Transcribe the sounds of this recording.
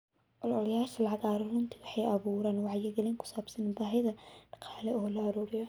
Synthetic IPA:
ʔɔlɔlɐjaːʃɐlɑʕɑɣaːɾɐrʊnt̪ʰɪwɑħɑjʔɐβuːɾaːnwɑʕjɪɡɐliːŋkʰʊ̥saːbsɐnbaːɦɪðɐɖ̥ɑ̥qʰɑːlɛɔɦɔlaɾuːɾɪjɐ

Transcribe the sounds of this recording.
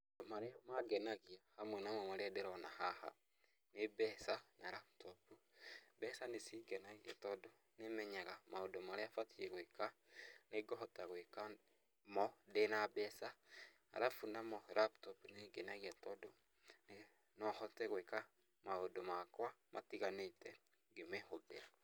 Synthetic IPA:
omaɾemaɡɛnaɣiahamwɛnamɔmaɾeadeɾɔnahaha̰ | nebɛsanaɾap̚tɔpubɛsanesiɡɛnaɣia̰tɔdo | nemɛɲaɣamaodomaɾeafatiɛɣweka | neɡɔɦɔtaɣweka | mɔdenabɛsa̰ː | ɾafunamɔɾaptɔpuneɡenaɣiɛtɔdo | ne | nɔhɔtɛɣweka | maodomakwamʔa̰tiɣanetɛ | ɡemɛhobḛɾa

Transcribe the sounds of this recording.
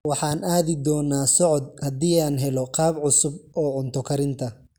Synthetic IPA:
wɑħɑːnaːðɪd̪ɔːnːaːsɔʕɔd̪̚hɐd̪iːaːnɦɛlɔqɑːbʕʊsʊbɔːʕʊnt̪ʰɔkʰɐɾɪnt̪ʰɐ

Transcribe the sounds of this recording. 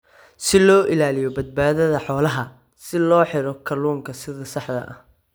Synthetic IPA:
sɪlɔːʔɪlaːlɪjɔbɐd̪̚baːðɐðɐħɔːlɐɦɐ | sɪlɔːħɪɾɔkʰɐluːŋkʰɐsɪðɐsɑħd̪ɐ̰ʔɐ̰h

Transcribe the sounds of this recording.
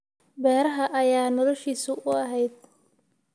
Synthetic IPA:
bɛːɾɐɦɐʔɐjaːnɔlɔʃiːsʊʔʊɐɦɛjd̪̚

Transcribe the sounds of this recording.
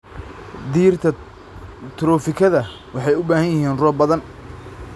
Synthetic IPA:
d̪iːrt̪ʰɐ | t̪ʰɾɔːfɪkʰɐðɐ | wɑħɑjʊbaːɦɐjɐɦiːnrɔːbɐðɐn

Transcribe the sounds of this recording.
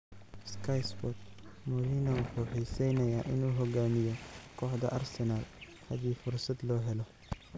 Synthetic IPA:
skʰɐjsbɔt̪̚mɔɾiːnɐwʊħuːħɛjsɛjnɐjaːʔɪnuːɦɔɡaːmɪjɔkʰɔːħd̪ɐ̰ʔɐrsɛnaːl | hɐðiːfʊrsɐd̪lɔːɦɛlɔ

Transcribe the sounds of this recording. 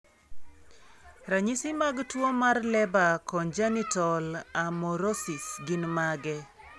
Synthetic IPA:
ɾaɲisɪmaɡtwomarlɛbakɔnd͡ʒanitɔlamɔɾosisɡɪnmaɡɛ

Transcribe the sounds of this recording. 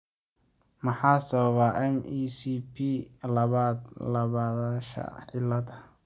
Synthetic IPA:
mɐħɑːsɐβɐβaʔɛniːsipʰiːlɐβaːd̪lɐβaːðaːʃɐ̰ħɪlɐdɐ

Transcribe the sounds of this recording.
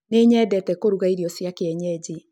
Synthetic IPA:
neɲɛːdɛtɛkoɾuɣaiɾjɔsjakeɛɲɛd͡ʑi

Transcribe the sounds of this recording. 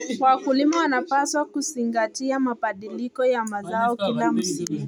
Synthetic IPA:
wkulimawanapaswakuziŋɡatiamabaɗilikɔjamazaɔkilam̩siŋu

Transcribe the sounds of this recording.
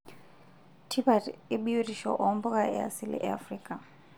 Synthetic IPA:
tʰibatɪɓijiriʃɔ̰ʔɔmbʊkʼaɛ̰a̰silɛ̰ʔɛ̰a̰friːkʼa

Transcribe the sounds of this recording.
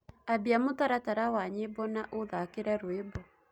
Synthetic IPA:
abiamotaɾataɾawaɲebɔnaʔoðakeɾɛɾwebɔ

